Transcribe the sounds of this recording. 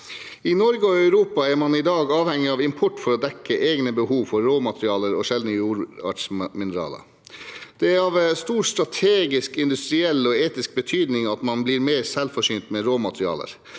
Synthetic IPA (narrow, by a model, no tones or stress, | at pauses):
inɔɾɡəɔœʉɾuːpɑæɾmɑnɪd̪ɑːɡɑːʋhɛŋːɪɑʋɪmpʰɔʈːfɔɾɔd̪ɛkːəʔeːɡnəbəhuːʋfɔɾːoːmɑt̪ʰɾɪɑːləɾɔʃɛld̪əjuːɾɑ̰ʈsmɪnəɾɑ̰ːlə̰ | d̪̥ɛæɾɑʋst̪uːɾst̪ɾɑt̪ʰeːɡɪskɪnd̪ʉst̪ɾɪɛlːɔeːt̪ɪsk̚bət̪ʰyːd̪nɪŋɑt̪mɑnbliːɾmeːɾsɛlfɔʂyːnt̪mɛɾoːmɑt̪ʰɾɪɑ̰ːlə̰ɾ